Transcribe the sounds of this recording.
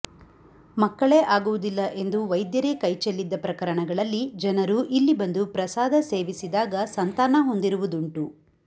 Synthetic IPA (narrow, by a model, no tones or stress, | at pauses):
mɐkːɐɭeːʔaːɡuʋud̪ilːɐʔe̞nd̪uʋɐjd̪jɐɾeːkɐjt͡ʃelːid̪ːɐpɾɐkɐɾɐɳɐɡɐɭɐlːid͡ʒɐnɐɾuʔilːibɐnd̪upɾɐsaːd̪ɐse̞ːʋisid̪aːɡɐsɐnt̪aːnɐɦo̞nd̪iɾuʋud̪uɳʈu